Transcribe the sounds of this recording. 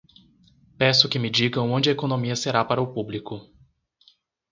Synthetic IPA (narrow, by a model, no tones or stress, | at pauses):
pɛsʊkɪmɪd͡ʒiɡɐ̃w̃õnd͡ʒɪɐekonõmiɐseɾapaɾɐʊpublikʊ